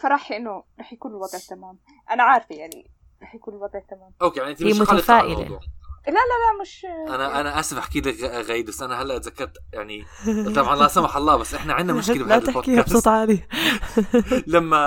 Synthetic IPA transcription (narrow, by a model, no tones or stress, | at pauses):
fɑɾˤɑːħʔɪnːʊɾˤɑːħjakuːnɪlwɑd̪ˤʕt̪amaːm | ʔanaʕaːɾˤfijaʕnḭ | ɾˤɑːħjakuːnɪlwɑd̪ˤʕat̪amaːmʔokeːjaʕniʔɪnt̪iiʃmʊtɑalːfaːʔɪ̰lḛˤṵːʕlalalamɪʃʔanaʔanaʔasfaħkɪd̪aɣaːjd̪̚basːʔanaɦalːaʔat̪zakːɑɾˤt̪jaʕnit̪ˤɑbʕɑnlaʔsamaħɑlˤːɑːbasːʔɪħnaʕɪnːaʊʃkɪllat̪ɪħkihabsɑt̪ˤʕali | lamːa